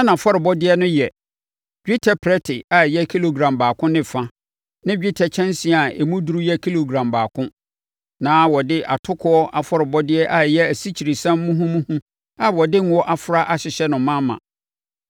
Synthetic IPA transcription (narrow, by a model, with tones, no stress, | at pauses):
ɛ˦nã˨fɔ˦ɾɪ˨bɔ˦dɪ˦ɛ˦nʊ̃˦jɛ˨ | ɥᶣi˦tʰɛ˨pʰɾɛ˦tʰɪ˨a˨jɛ˦kʰi˦lo˨ɡɾã˨mbaː˨kʰʊ̃˦nɪ̃˦˨fã˦ | nɪ̃˦d͡ʑᶣi˦tʰɛ˨t͡ɕʰɛ̃˦nsi˨˦˨a˨ḛ˨mũ˦du˨˦ɾu˦jɛ˦kʰi˦lo˨ɡɾã˨mbaː˨kʰʊ̃˦ | nãː˨˦wɔ˨dɪ˦ʔa̰˨tʰʊ˦kʰʊ˦ɔ˦ʔa˨fɔ˦ɾɪ˨bɔ˦dɪ˦ɛ˦ʔa˨jɛ˦æ˨si˦t͡ɕʰi˨ɾi˨sã˦mː˦ũ˦ɦũ˦mũ˦hũ˦ | a˦˨wɔ˨dɪ˦ŋ̩˦wɔ˦ʔa˨fʊ˨ɾa˦ʔa˨ɕɪ˨ɕɛ˦nʊ̃˨mːã˦mːã̰˨